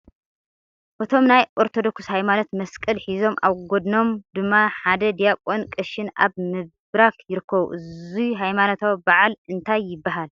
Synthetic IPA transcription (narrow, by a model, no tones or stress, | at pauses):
ʔɨt̪ʰo̞mnajʔoɾt̪ʰod̪o̞kshajmano̞t̪mɐskʼɨlħizo̞mʔa̰βɡod̪no̞md̪ɨmːaħad̪ɐd̪ijakʼonkʼɨʃɪnʔa̰βmɨ | ɾakʰjɪɾɨkʰːɐβṵʔɨziɦajmanot̪ʰobaʕalɨnt̪ʰajːɪbːaɦal